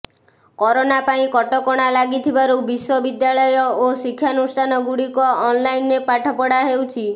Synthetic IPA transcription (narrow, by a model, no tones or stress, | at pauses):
kɔɾonapaĩkɔʈɔkɔɽ̃alaɡit̪ʰibaɾubiswɔbid̪jalɔjɔosikʰːjanusʈʰanɔɡuɽikɔːnlainːepaʈʰɔpɔɽaɦewt͡ʃʰi